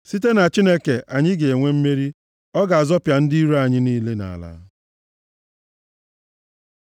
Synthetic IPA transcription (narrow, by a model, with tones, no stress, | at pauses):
si˦t̬e˦na˨t͡ʃi˦ne˦ke˨ʔa˨ɲɪ˦ɡe˨e˨ŋʷe˦m̩˦me˦ɾi˦ | ɔ˦ɡa˨a˨zɔ˦pja˨n̩˦di˦i˦ɾu˦a˨ɲɪ˦niː˦le˦na̰˨a̰˨la̰˦